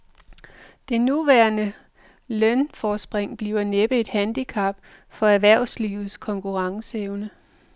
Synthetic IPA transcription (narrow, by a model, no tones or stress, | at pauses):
d̥e̝nuʋæɐnə | lœnfɒːsb̥ʁeŋ̰b̥lḭʊɐneb̥əe̝d̥hænd̥ikʰɑ̈b̥ | fɒ̽æɐʋæɐ̰ʊslḭːʊð̩ˠskʰɒ̽ŋkʰuʁɑ̈ŋsəeʊnə